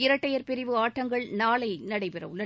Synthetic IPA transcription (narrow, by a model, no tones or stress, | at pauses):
ɪɾɐʈːɐjɐɾpɪɾɪʋɯaːʈːɐŋɡɐɭnaːlɐɪnɐɽɐɪpɪɾɐ̰ʋʊlːɐ